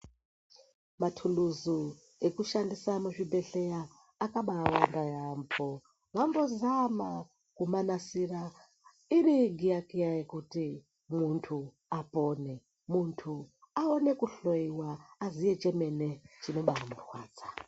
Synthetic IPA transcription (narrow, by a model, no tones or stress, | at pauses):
matʰuluzu | ekuʃandisamuʐibʱeɬejaː | kaɓaːwandajambo | ʋambozama | kumanasira | iriɡʱijakijajekuti | muntʰu | apoːne | muntʰu | aone̞kuɬojiwaːzijet͡ʃemenet͡ʃino̞ɓamurwa̰ːd͡za